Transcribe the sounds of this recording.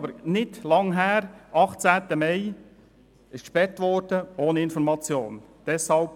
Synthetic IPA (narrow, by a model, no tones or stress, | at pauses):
bəɾnɪdlɑŋɦæːɾʔɑχt͡sæːt̪əmɛɪ | ɪʃkʃpɛt̪ʋɔːɾd̥əoːnəɪnfɔɾmɑt͡sjoːnd̥ɛshɑlp